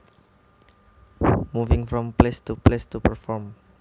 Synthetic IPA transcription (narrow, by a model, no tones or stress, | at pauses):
muvɪ̃ŋfɾɔ̃mplest̪uplest̪upəɹfɔɹm